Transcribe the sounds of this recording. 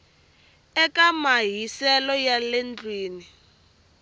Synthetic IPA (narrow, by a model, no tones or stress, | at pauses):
ɛkamaɦisɛlɔjalend͡ɮwiːni